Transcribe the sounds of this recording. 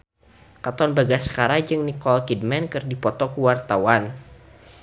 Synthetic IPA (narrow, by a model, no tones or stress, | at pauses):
kat̪ɔnbaɡasə̥kaɾad͡ʒɨŋnikɔlkidmɛnkɨrdipɔt̪ɔkəwart̪awan